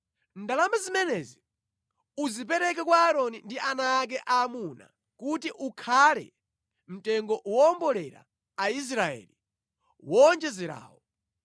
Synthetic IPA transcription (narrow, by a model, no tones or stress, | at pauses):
ndalambazimɛnɛzi | uzip̬ɛɾɛk̬ɛkwaːɾɔnindiʔanaːk̬ɛʔaːmuna̰ | kutiʔukʰalɛ̰ | m̩tɛŋɡɔwɔːmbɔlɛɾa̰ | ais̬ɾaɛ̰ːli | wɔnd͡ʒɛzɛɾa̰ːwɔ